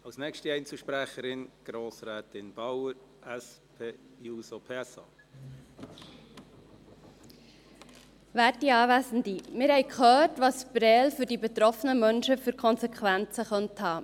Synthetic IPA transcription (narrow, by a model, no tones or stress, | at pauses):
ɑlsnɛkʃtiɛɪnt͡suʃpɾæχəɾɪnɡ̥ɾoːsɾɛːtɪnb̥ɑwəɾɛspʰeː | juːsopʰeːɛsɑ̰ː | væːtiɑːvæsn̩dimɪɾhɛɪkχœːtʋɑsb̥ɾɛːlfyɾdibet̪ɾɔfənəmœnʃəfyɾkʰɔnsekχʋænt͡səχœnthɑː